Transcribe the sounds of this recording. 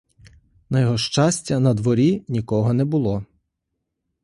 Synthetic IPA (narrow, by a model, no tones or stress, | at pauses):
nɐjɔɦɔʃt͡ʃɑsʲtʲɐnɐd̪ʋɔɾʲinʲikɔɦɔnɛbʊlˠɔ